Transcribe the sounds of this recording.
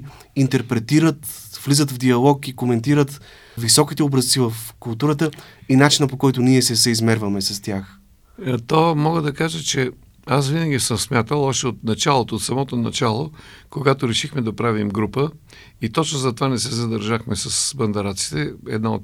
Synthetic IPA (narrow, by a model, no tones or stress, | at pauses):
int̪ɛɾpɾɛt̪iɾət̪vlizət̪vd̪iɐlˠɔkikomɛnt̪iɾət̪ | visɔkit̪ɛɔbɾɐst̪sivəfkʊlˠt̪uɾət̪əinat͡ʃinəpokɔjt̪ʊniɛsɛsɛizmɛɾvəmɛsɐst̪ʲjax | t̪omɔɡəd̪ɐkaʒət͡ʃɛ | asvinɐɡʲisəmsmʲjat̪əlˠɔʃt̪ɛot̪nɐt͡ʃalˠot̪oːt̪sɐmɔt̪onɐt͡ʃalˠokoɡat̪oɾɛʃixmɛd̪ɐpɾavimɡɾupə | it̪ɔt͡ʃnozɐt̪ovanɛsɛzɐd̪ɐɾʒaxmɛsɐsbɐnd̪ɛɾat̪si̥t̪ɛɛ̰d̪nao̰t̪